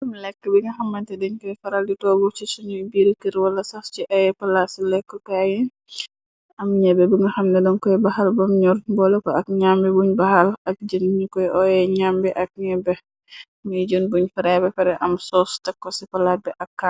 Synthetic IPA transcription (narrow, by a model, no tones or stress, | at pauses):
ɐmlɛkːəbiŋɡɐxɐmːɐntɛdɛɲkɔjfɐɾalditɔɡut͡ʃisunubiɾikəɾwɐlːɐsast͡ʃiʔɐjɛpɐlasilɛkːɔkajɛ | ɐmɲɛbɛbiŋɡɐxɐmnɛdɔnkɔjɛbahalbɐmɲɔɾmbɔlɔkɔɐk̚ɲambibuɲbahalɐk̚d͡ʒənɲikɔjʔɔjɛɲambiʔɐk̚ɲɛbɛ | mud͡ʒunbuɲfɐɾɛbɛfɛɾɛʔɐmsɔstɐkːɔsipɐlat̚bɛʔɐkːa